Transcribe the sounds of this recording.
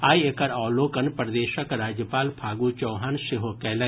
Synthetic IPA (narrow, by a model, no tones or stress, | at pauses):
aːiekəɾɔːloːkənpɾəd̪eːʃəkɾaːd͡ʒjəpaːlpʰaːɡut͡ʃɔːɦaːnʃɪɦokɛːlɛ̃